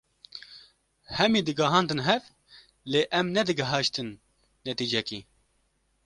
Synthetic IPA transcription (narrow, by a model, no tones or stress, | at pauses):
hɛmiːd̪ɨɡɐɦɑːnd̪ɨnɦɛv | leːʔɛmnɛd̪ɨɡɐɦɑʃt̪ɨnː | ɛt̪iːd͡ʒɛkḭː